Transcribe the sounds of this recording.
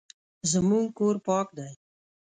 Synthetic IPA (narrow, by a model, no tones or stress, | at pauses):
zəmuŋkoɾpɑːk̚d̪aj